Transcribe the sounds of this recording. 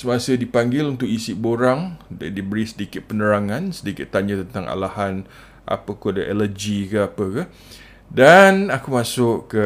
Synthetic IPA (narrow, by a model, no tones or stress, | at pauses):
səmasədipaŋɡɪlunt̪ʊkisiboɾaŋdibəɾisədikɪt̪̚pənəɾaŋãnsədikɪt̪ːaɲãt̪ənt̪aŋa̰lahan | ʔa̰pəkodəʔɛləd͡ʒikəapəkə | danakumãsʊʔkə